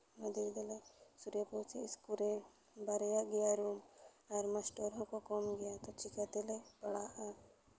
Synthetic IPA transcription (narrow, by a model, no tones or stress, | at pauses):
mɐd̪ed̪ɐlesuɾjɐpuːt͡ʃeskuɾe | baɾjaɡijaɾuːmaɾmɐsʈoɾõkokoːmɡɐjat̪ot͡ʃɪkat̪elepɐɽaʔaː